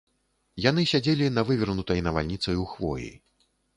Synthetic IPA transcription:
jan̪ɨsʲad͡zʲelʲinɐvɨvʲirnut̪ɐjnɐva̰lʲnʲit̪sɐjuxvɔ̰jḭ

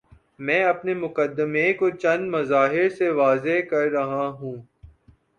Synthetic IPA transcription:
mɛ̃ːɐpnemʊkəd̪ːəmekot͡ʃɐ̃nd̪mɐzaːɦɪɾseʋaːzeɦkɐɾːɐɦaɦũː

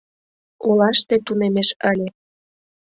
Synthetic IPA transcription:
olɑʃt̪et̪unemeʃəlʲe

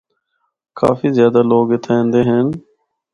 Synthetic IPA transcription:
kʰa̰ːfiːzjaːd̪aːloːɡet̪ʰẽːnd̪eːɦeːn

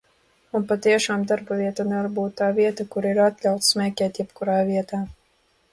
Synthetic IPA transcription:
unpat̪iɛʃaːmd̪aɾbaviɛt̪anɛvaɾbuːt̪ːaːviɛt̪akuɾiɾat̪lʲawt̪smʲɛːkʲɛːt̪jɛpkuɾaːviɛt̪aː

